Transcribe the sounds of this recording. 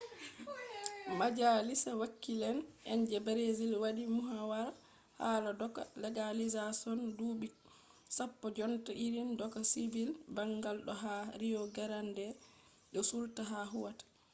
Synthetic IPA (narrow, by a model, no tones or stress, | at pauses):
mad͡ʒalisawakːilɛnɛɲd͡ʒɛbɾezilwaɗimuɦawaɾ | haladɔka̰lɛɡalizasɔnduːɓi | sapːɔd͡ʒɔntaʔiɾindɔkasivilbaŋɡalɗɔɦaɾijɔɡɛɾandɛ | ɗɔsultaɦaɦuwatḁ